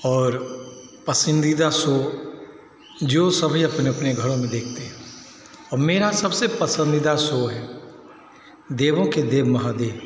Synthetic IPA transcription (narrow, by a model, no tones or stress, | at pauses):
ɔːɾ | pɐsə̃nd̪id̪aso | d͡ʒoːsɐbʱiɐpneɐpneɡʱɐɽõmẽd̪eːkʰt̪eɦɛ̃ | ɔːɾmeːɾasɐbsepɐsə̃nd̪id̪asoɦɛː | d̪eːʋõked̪eːʋmɐɦad̪eːb